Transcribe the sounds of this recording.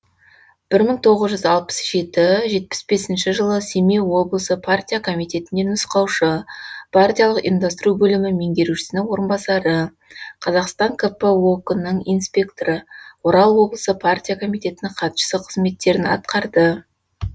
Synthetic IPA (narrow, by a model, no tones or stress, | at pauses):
b̥ɪɾməɴt̪ʰo̞ʁəzʒʏzɑlˠpə̥sʒ̥e̞t̪ɪʒe̞t̪̚pɪ̥sbe̞sɪnʃɪʒəlˠəsemewo̞blˠəsəpʰart̪ʲijakʰo̞mijt̪e̞t̪ɪnd̪e̞nʊsqɑwʃəpʰart̪ʲijɑlˠəqḭmd̪ɑst̪əɾubɵlɪmɪme̞ŋɡʲe̞ɾuʃɪ̥sɪnɪŋwo̞ɾənbɑsɑɾə | qʰɑzɑqst̪ɑŋkʰəpəwokənːəɴijnspʲe̞kt̪oɾəwo̞ɾɑlˠwo̞blˠəsəpʰart̪ʲijakʰo̞mijt̪e̞t̪ɪnɪqʰɑt̪ʃə̥səqʰəzme̞t̪ːe̞ɾɪnɑ̰t̪̚qɑɾd̪ə